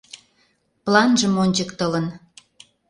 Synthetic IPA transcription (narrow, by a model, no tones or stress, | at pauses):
plɑnʒəmonʲt͡ɕəkt̪ələn